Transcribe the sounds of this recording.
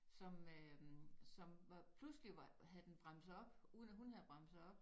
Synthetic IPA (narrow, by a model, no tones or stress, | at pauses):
sɒ̽møsɒ̽mʋɑ̈pʰlusliʋɑɦæðˠd̥enb̥ʁɑm̰̥sɒ̽b̥uːð̞ˠnæhunhæðˠb̥ʁɑ̈m̰̥sɑ̈ɒ̽b̥